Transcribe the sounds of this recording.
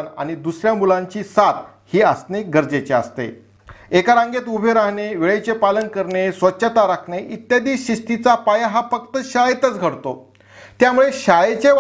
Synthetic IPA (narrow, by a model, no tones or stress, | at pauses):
na̰ɽ̃id̪usɾjamulãɲt͡ɕiːsat̪ | hiːəsneɡəɾd͡zet͡ɕeast̪ḛ | ekaɾãŋɡet̪ubʱeɾaɦɳeʋeɭet͡ɕepalənkəɾɳesʋətːɕət̪aɾakʰɳeʔit̪jad̪iːsɕiʂʈit͡sapajaɦafək̚t̪əɕajet̪ət͡sɡʱəɽt̪o | t̪jamuɭeɕajet͡ɕeʋ